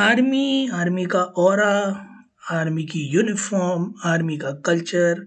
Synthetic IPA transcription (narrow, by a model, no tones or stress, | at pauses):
aːɾmiaːɾmikaʔɔːɾa | aːɾmikijuːnɪfʰɔːɾmaːɾmikakɐlt͡ʃəɾ